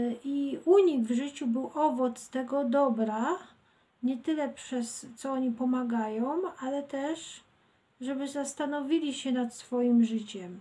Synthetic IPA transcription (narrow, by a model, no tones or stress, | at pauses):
iuɲiɡvʐɘt͡ɕubɘwʔɔvɔt̪st̪ɛɡɔd̪ɔbɾa | ɲɛt̪ɘlɛpʂɛst̪sɔɔɲipɔmaɡajɔ̃w̃alɛt̪ɛʂ | ʐɛbɘzast̪anɔvʲilʲiɕɛnat̪sfɔjimʐɘt͡ɕɛm